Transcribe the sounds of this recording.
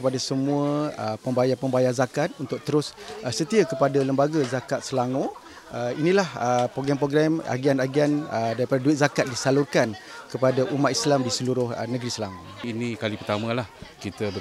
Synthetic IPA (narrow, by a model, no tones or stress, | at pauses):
kəpadasəmũəəpəmbajapəmbajazakat̪̚unt̪ʊk̚t̪əɾʊsəsət̪iakəpadaləmbaɡazakat̪̚səlaŋõ | əinĩlahəpoɡɾampɾoɡɾɛma̰ɡianaɡianədaɾipadaduɪt̪̚zakat̪̚disalurkankəpadaʔumat̪̚islamdisəluɾʊhnəɡɾisəlaŋoinĩkalipərt̪amãlahkit̪əbə